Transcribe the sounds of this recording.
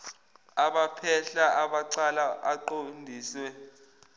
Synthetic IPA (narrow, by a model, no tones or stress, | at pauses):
aɓapʰɛɬaʔaɓaǀalaaǃondʱiːswɛ